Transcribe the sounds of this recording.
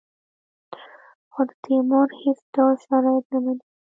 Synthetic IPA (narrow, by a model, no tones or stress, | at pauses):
xod̪ət̪ʰimoɾhet͡sd̪ɑʃaɾɑjat̪namani